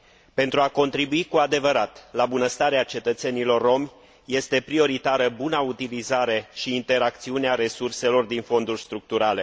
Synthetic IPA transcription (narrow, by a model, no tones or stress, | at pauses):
pe̞nt̪ɾuako̞nt̪ɾibuikuad̪e̞vəɾat̪labunəst̪aɾeat͡ʃe̞t̪ət̪se̞nilo̞rːo̞m | je̞st̪e̞pɾio̞ɾit̪aɾəbunaut̪ilizaɾe̞ʃiːnt̪e̞ɾakt̪siuneaɾe̞surse̞lo̞rd̪info̞nd̪urʲst̪ɾuk̚t̪uɾale̞